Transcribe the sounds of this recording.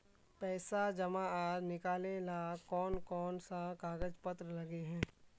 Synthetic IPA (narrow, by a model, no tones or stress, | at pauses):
pɛːsad͡ʒɐmãaːɾnɪkaːlelaːkɔːnkɔːnsakaːɡəd͡ʒpɐt̪ɾəlɐɡeɦɛ̃ː